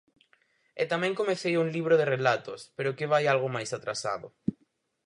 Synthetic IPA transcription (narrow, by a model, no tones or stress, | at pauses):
et̪amɛ̃ŋkomeθejuŋliβ̞ɾoðerelat̪ospeɾʊkɪβ̞ajalɣomajsat̪ɾasa̰ðʊ̰